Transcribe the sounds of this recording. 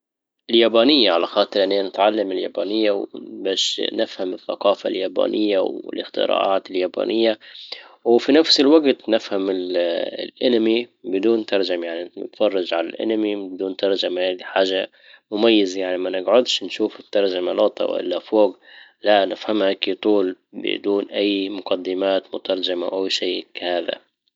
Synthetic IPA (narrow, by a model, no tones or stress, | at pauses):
ɪljaːbaːnɪjːaʕalaxɑːt̪ˤɨɾʔɪnːeːnɪt̪ʕalːamɪlja̰ːbaːnɪjːawbaːʃnɪfhamɪθːɑ̰qɑːfa̰ljaːba̰ːnʔɪjːawɪ̰lɪxt̪ɪ̰ɾa̰ːʔaːt̪ɪljaːba̰ːnʔɪjːa | wfinafsɪlwaɡt̪nɪfhamɪl̰lʔɪnamibɪd̪uːnt̪ɑɾˤd͡ʒamajaʕninɪ̰t̪fɑrˤːɑʒʕala̰lʔa̰namibɪd̪uːnt̪ɑɾˤd͡ʒamahaːd̪iħaːʒa | mʊmajːɪzajaʕnimanɪɡʕʊd̪ʃnʃuːfɪt̪ːɑɾˤd͡ʒamalɑːt̪ˤɑ̰wʔɪ̰lʔafoːɡ | laʔnɪfhamhakit̪ˤuːl | bɪ̰d̪uːnʔajːmʊqad̪ːɪmaːt̪mʊt̪ɑɾˤd͡ʒamawʔawːʃiːkahaːða̰